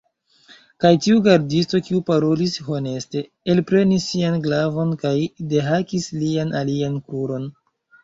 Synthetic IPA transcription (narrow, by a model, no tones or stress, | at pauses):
kajtiuɡaɾdisto̞kiupaɾolisho̞ne̞ste̞ | elpɾe̞nisːianɡlavo̞nkajde̞ɦakislianʔaliankuɾo̞n